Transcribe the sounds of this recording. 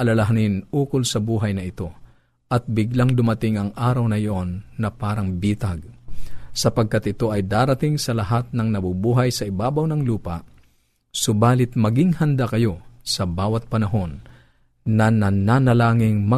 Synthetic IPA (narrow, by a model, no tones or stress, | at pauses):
ʔɐlɐlɐɦanɪnuːkʊlsɐbuːɦɐjnɐɪt̪o̞ | ʔɐt̪̚bɪɡlaŋd̪ʊmɐt̪ɪŋɐŋʔaːɾɐwnɐjoʔonːɐpaːɾɐŋbiːt̪ɐɡ̚ | sɐpɐɡ̚kat̪ʔɪt̪o̞ʔɐjd̪aːɾɐt̪ɪŋsɐlɐɦat̪̚nɐŋnɐbubuːɦɐjsɐɪbaːbɐwnɐŋluːpɐʔ | sʊbaːlɪt̪̚mɐɡɪŋhɐnd̪akɐjo̞sɐbaːwɐt̪̚pɐnɐɦo̞nː | ɐnɐnanɐlaːŋɪŋmɐ